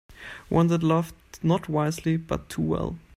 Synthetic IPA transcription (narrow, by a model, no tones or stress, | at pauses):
wʔʌ̰̃nðətˡlʌfdnət̚ʰwaɪzlibʌ̰tʰːuwɛ̰lˠ